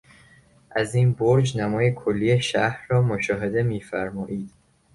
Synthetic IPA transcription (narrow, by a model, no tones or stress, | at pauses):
ʔæziːnboɾd͡ʒnæmɒːjekʰolːiːjeʃæhɾːɒːmoʃɒːɦe̞d̪e̞miːfæɾmɒːʔiːd̪̥